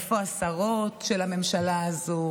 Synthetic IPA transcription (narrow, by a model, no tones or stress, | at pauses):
foasaʁo̞tʃe̞lame̞mʃalaːzo